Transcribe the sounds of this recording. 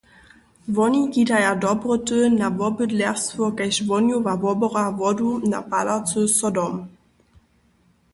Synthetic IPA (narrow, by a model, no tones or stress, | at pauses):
vɔnikidajadɔbʁətənavɔbədlɛʁstvɔkajɕvɔnjuvavɔbɔʁavɔduna̰palat͡səsɔdɔm